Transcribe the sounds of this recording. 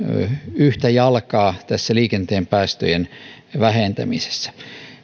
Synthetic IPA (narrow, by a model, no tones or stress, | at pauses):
yht̪æjɑlkɑːt̪æsːæliːkent̪eːmpæːst̪ø̰jen | ʋæhent̪æ̰mise̥sːæ̥